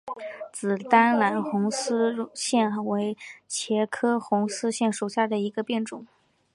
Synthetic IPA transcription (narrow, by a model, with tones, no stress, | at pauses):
t͡sɹ̩˨˩t̪a˥nla˧˥nxʊ˧˥ŋsɹ̩˥ɕjɛ˥˩nwe˧˥ɪt͡ɕʰjɛ˧˥kʰɤ˥xʊ˧˥ŋsɹ̩˥ɕjɛ˥˩nʂu˨˩ɕja˥˩d̪ə˩i˧˥ɡə˧pjɛ˥˩nʈ͡ʂʊ˨˩˦ŋ